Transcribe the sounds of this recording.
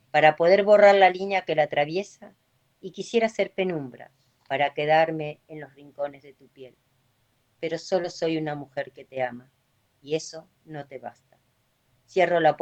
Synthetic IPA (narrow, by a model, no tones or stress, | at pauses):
paɾapo̞ð̞e̞ɾβo̞raɾlaliɲjake̞laːt̪ɾaβ̞je̞sa | ikisje̞ɾase̞ɾpe̞nũmbɾa̰ | paɾake̞ð̞aɾme̞ːnlo̞sriŋko̞ne̞zðe̞t̪upje̞l | pe̞ɾo̞so̞lo̞so̞junamuxe̞ɾke̞t̪e̞ama | ie̞so̞ | no̞t̪e̞βa̰st̪a | sje̞ro̞la